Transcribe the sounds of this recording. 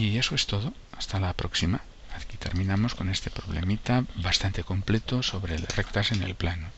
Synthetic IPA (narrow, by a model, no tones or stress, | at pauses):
ie̞soe̞st̪o̞ð̞o̞ | ast̪alapɾo̞ksima | akit̪e̞ɾmĩnamosko̞ne̞st̪e̞pɾo̞β̞le̞̰mit̪aβast̪ant̪e̞ko̞mplet̪oso̞βɾelrek̚t̪asenḛlplano